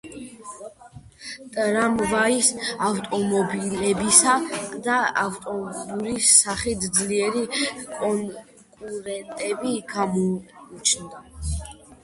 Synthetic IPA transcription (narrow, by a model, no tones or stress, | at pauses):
t̪ʼɾamvaisavt̪ʼɔmɔbilɛbisad̪aavt̪ʼɔuɾisːaχit̪ʰd̪zliɛɾikʼɔŋ | kʼuɾɛnt̪ʼɛbikʰamɔut͡ʃʰnd̪a